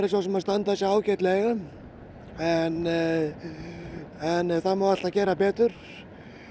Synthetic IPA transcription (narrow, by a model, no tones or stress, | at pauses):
ɾɪsvawsɛmaðst̪ant̪asaaːwcɛt̪lɛɣʏ | ɛn | ɛnθamawal̥t̪acɛːɾapɛːt̪ʏɾ̥